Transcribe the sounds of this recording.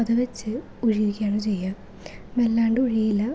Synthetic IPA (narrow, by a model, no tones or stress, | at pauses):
ɐðɐʋet͡ɕːɨ | uɻiʋikʲːaːɳoːt͡ɕejːa | melːaːɳɖɨuɻijilːɐ